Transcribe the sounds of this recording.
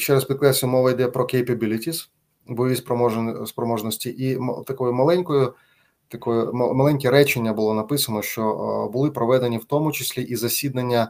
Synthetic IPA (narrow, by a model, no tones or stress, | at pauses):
t͡ʃɛɾɐsʲpʲid̪̚klˠɛsʲʊmɔʋɐjd̪ɛpɾɔkejpɐbʲilʲɪtʲis | bɔjɔʋʲispɾɔmɔspɾɔmɔʒnɔsʲtʲiʔḭt̪ɐkɔjʊmɐlˠɛnʲkɔjʊ | t̪ɐkɔjʊmmɐlˠɛnʲkʲɛɾɛt͡ʃenʲːɐbʊlˠɔnɐpɪsɐnɔʃt͡ʃɔbʊlˠɪpɾɔʋɛd̪e̞nʲiwt̪ɔmʊt͡ʃɪsʲlʲiʔizɐsʲid̪nɐnʲːɐ